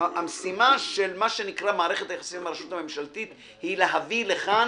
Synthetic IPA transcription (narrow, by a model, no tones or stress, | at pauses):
amesimaʃe̞lmaʃe̞nikʁamaːʁe̞χe̞t̪hajeχasitmaɾaʃut̪hamemʃalt̪it̪ | hileɦavileχa